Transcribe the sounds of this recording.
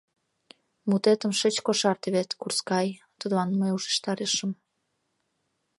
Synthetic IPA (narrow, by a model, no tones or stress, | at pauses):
mut̪et̪ə̆mʃət͡ɕkoʃɑrt̪eβet̪kurskɑj | t̪əd̪lɑnməjuʃə̥̆ʃt̪ɑɾeʃəm